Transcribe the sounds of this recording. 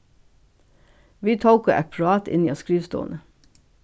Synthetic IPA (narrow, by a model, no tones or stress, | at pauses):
ʋiːt̪ʰoʊkəʔæ̰pʰɹɑːt̪ɪ̰niːoːskɹiːʋst̪o̰ːnə